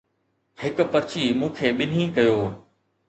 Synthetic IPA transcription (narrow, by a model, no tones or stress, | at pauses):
hɪkʊ̆pɐɾt͡ɕiːmũːkʰeːɓɪn̤ɦĩːkɐjoː